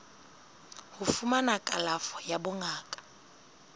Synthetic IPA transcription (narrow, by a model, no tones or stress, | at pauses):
hufumanakʼalafɔ̥jabʊŋaːkʼḁ